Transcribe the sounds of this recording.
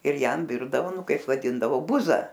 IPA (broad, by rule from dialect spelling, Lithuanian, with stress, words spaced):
ɪr ˈjɛm ˈʋʲɪrdɐʋoː ˈnʊ ˈkɐɪp ʋɐˈdʲɪndɐʋoː ˈbʊzɐ